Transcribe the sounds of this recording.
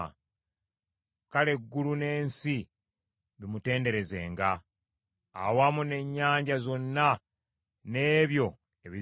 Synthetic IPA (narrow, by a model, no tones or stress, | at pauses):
kale̞ɡːulune̞ːnsi | βimute̞ːnde̞ɾe̞ze̞ːŋɡaː | wamune̞ɲːaːɲɟazo̞nːa | ne̞ːβjo̞ | e̞βi